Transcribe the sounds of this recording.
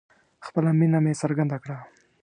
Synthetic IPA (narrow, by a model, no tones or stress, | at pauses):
xpəlaminamesaɾɡand̪akɽa